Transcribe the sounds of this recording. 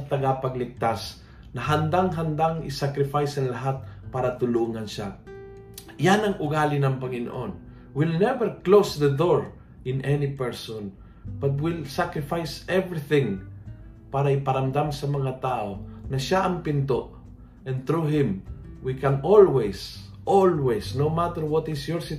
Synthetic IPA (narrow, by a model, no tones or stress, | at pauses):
t̪ɐɡapɐɡlɪk̚t̪as | nɐɦand̪aŋɦand̪aŋɪ̰sakɾɪfajsɐŋlaɦat̪̚paːɾat̪ʊluːŋanʃa | janɐŋʔʊɡaːlɪnɐŋpɐŋɪno̰ʔo̰n | wɪlnɛvɛɾklowsðəd̪oɹ | ʔɪnʔɛnipɛɹson | b̥ɐt̪̬̚wɪlsakɾɪfajsɛvɹɪθɪ̃ŋ | paɾaɪpɐɾamd̪amsɐmɐŋat̪aonɐʃaʔɐŋpɪnt̪oʔ | ʔɛ̃nt̪ɾuɦɪ̃mwikanolwɛs | ʔolwɛsnowmat̪ɛɾwɔt̪ɪsjɔɹsɪ